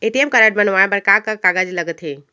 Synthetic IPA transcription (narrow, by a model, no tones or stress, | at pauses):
eʈiemkəɾaʈ̚bənʋaẽbəɾkakakaɡad͡ʒləɡət̪ɦe